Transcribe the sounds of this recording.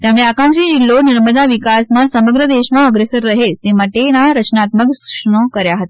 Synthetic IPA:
t̪jamə̃ɭeakãŋkʂid͡ʑilːoniɾməd͡z̪aʋikasmasəməɡɾəd̪eɕmaəɡɾesəɾːəɦelt̪emaʈenaɾət͡ɕnat̪məksu̥kʂɳəkəɾjaɦət̪e

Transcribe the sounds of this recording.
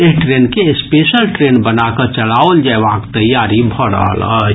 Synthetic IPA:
eʈɾenkespesəlʈɾenbənakət͡ʃəlaold͡ʒaeʋakt̪əjaɾibʱɔɾə̰ɦə̰lə̰t͡ʃ

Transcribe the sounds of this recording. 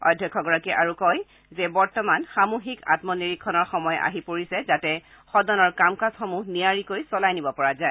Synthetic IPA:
ɔ̰jdʱːɔkʰːɔɡɔɹakɛʔaɹukɔj | zɛbɔɹtɔmanxamuxika̰tmɔniɹikʰːɔnɔɹxɔmɔjʔa̰ɦipoɹisɛzatɛ | xɔdɔnɔɹkamkasxɔmuniaɹikojsɔlajnibɔpɔɹazaɛ

